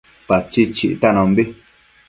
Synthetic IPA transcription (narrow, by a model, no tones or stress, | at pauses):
pat͡ʃit͡ʃiʔtanɔ̃m̩bi